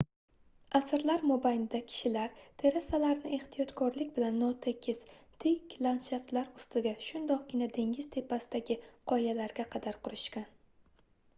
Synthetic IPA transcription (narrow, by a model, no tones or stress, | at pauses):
asɪɾlaɾmobajnd̪akʲʰɪ̥ʃɪlaɾt̪ʰe̞ɾasalaɾnɪe̞ht̪ʰijɒt̪kʰɒɾlɪkʲbɪlanːɒt̪ʰekʲʰːɪz̥ | t̪ʰɪkʲʰlant̪ʃaft̪laɾʊst̪ʰɪɡʲaʃʊnd̪ɒq̚ɡʲɪnad̪e̞ŋɡʲɪz̥t̪ʰe̞pʰːasɪd̪aɡʲɪqʰɒjalaɾɡʲaqʰɑd̪aɾqʰʊɾɪʃkʲan